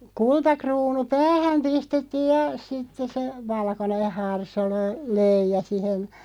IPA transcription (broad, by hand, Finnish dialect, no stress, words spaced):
kultɑkruːnu pæːhæm pistetːiːj jɑ sitːes̆ se ʋɑlkoneh̆ hɑrsolø løijˑɑ sihen